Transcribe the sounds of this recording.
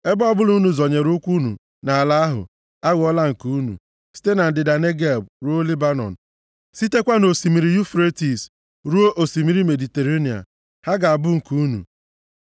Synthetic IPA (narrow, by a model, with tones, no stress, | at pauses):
e˦bɔ˦bʊ˦lu˦nu˨zɔ˨ɲe˨ɾʊ˦kʷu˦nṵ˨ | na˨a˨la˦a˦ɦʊ̰˨ | a˦ɣɔ˦la˦ŋ̩˨ku˦nṵ˨ | si̥˦te˦na˨n̩˨dɪ˨da˨ne˦ɡe˦lb̚ɾu˦o˦li˦ba˦nɔ̰˨n̩˨ | si˦te˦kʷa˦no˨si˨mi˨ɾi˨ju˦fɾe˦ti˨s | ɾu˦o˦ʔo˨si˨mi˨ɾi˦me˨di˨te˨ɾe˦ni˨a̰˨ | ha˦ɡa˨a˨bʊ˦ŋ̩˨ku˦nṵ˨